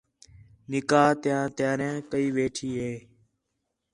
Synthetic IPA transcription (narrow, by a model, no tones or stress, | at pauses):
nɪkaːt̪jãːt̪jaːɾãːkəiːʋeːʈʰiːɦeː